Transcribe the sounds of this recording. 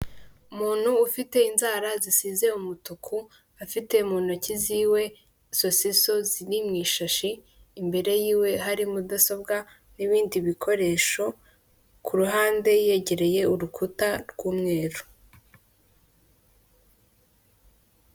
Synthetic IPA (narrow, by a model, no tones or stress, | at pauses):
umuːn̥huːfite̞inzaːɾazisiːze̞umutukʰu | afite̞muːn̥ociziːwe̞ | so̞siso̞zinimɲiːʃaʃiː | mbe̞ɾe̞jiːwe̞ɦaɾimudaso̞bɡa | niβiːndiβikʰo̞ɾe̞ːʃo̞ | kʰuɾuɦaːnde̞je̞ɟe̞ɾe̞je̞uɾukʰutaɾɡ̥uːmŋe̞ːɾu